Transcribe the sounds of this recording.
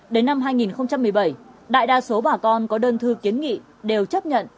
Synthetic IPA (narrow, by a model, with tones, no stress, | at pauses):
ɗe˨˦nːa˧mɦaː˧jŋi˨˩nxə˧wŋ͡mt͡ɕa˧mːɨ˨˩əjɓə˧˩jɗa̰ː˧˨jɗaː˧so˨˦ɓaː˨˩kɔ˧nkɔ˨˦ɗəː˧nt̪ʰɨ˧ki˨˦ənŋḭ˧˨ | ɗe˨˩wt͡ɕə˦˥p̚ɲə̰˧˨n